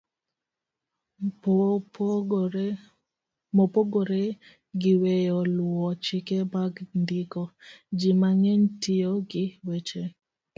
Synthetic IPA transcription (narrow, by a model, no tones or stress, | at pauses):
mopoɡoɾe | ɡɪwejɔlʊɔt͡ʃɪkebaɡndɪkɔd͡ʒimaŋeɲtɪoɡɪwet͡ʃe